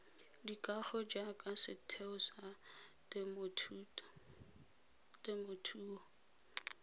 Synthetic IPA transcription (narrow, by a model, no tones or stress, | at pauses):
dikʼaχɔd͡ʒakʼasɪtʰeʊsatmʰː | tɪmotʰuːɔ